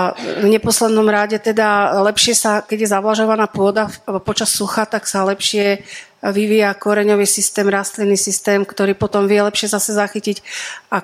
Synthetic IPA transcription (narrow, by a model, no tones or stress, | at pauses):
vɲɛpɔslɛd̪nɔmɾaɟɛt̪ɛd̪alɛpʃɪɛsakɛɟjɛzaʋlaʒɔʋanaːpʊɔd̪apɔt͡ʃasːuxat̪aksalɛpʃɪɛ | ʋiʋijakɔɾɛɲɔʋiːsist̪ɛːmɾast̪linːisist̪ɛːmkt̪ɔɾiːpɔt̪ɔmʋɪɛlɛpʃɪɛzasɛzaxicica